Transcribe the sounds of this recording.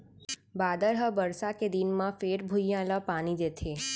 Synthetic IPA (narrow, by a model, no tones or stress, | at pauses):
baːd̪əɾɦəbəɾsaked̪inmãfeːɾbʱʊjjãlapaːnid̪et̪ʰe